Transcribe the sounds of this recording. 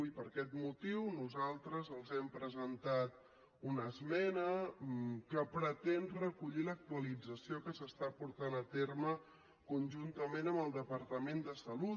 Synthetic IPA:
ipəɾkɛt̪mut̪iwnuzalˠt̪ɾəzəlˠzɛmpɾəzənt̪at̪̚ | unəzmɛnə | kəpɾət̪ɛnrəkuʎilək̚t̪uəlid͡zəsiokəsəst̪apuɾt̪anət̪ermə | kunʲʒunt̪əmenəmbəlˠd̪əpəɾt̪əmend̪əsəlu

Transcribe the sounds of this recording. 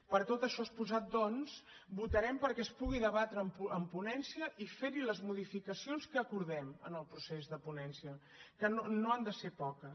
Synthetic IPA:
pəɾt̪ot̪əʃɔspuzat̪̚d̪ɔns | but̪əɾɛmpəɾkɛəspuɣ̞iðəβat̪ɾəmpuəmpunɛnsiəʔifeɾiləzmuðifikəsionskəːkuɾðɛmənəlˠpɾusezðəpunɛnsiə | kənonoand̪əseɾpɔkə

